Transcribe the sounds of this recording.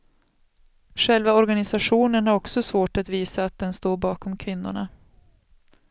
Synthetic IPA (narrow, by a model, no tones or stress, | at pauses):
ɧɛlvaɔɾɡanɪsaɧuːnənhaɾɔksɔsvoːʈat̪viːsaːt̪̚d̪ɛnst̪oːɾbɑːkɔmkʰvɪn̪ːʊ̰ɳa̰